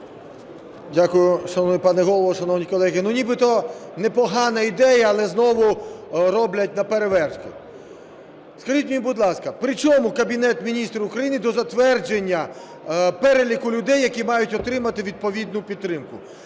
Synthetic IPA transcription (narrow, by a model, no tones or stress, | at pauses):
dʲakʊjʊʃɐnɔwnɪpɑnɛɦɔlˠɔʋɔʃɐnɔwnʲikɔlˠɛɦɪnunʲibɪt̪ɔnɛpɔɦɑnɐid̪ɛjɐːlˠɛznɔʋʊɾɔblʲɐt̚ʲnɐpeɾeʋɛrskʊ̰ | skɐʒitʲmnʲibʊd̪lˠɑskɐpɾɪt͡ʃɔmʊkɐbʲinɛt̪mʲinʲist̪ɾɐʊkɾɐjinɪd̪ɔzɐt̪ʋɛrd͡ʒenʲːɐ | pɛɾelʲikʊlʲʊd̪ɛjːɐkʲimɑjʊtʲɔt̪ɾɪmɐt̪ɪʋʲid̪̚pɔʋʲid̪nʊpʲid̪ɾɪmkʊ